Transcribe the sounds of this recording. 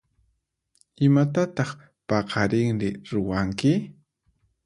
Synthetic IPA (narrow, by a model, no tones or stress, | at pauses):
ɪmat̪at̪ɑχ | pɑqɑɾɪŋnɪɾʊwaŋkɪ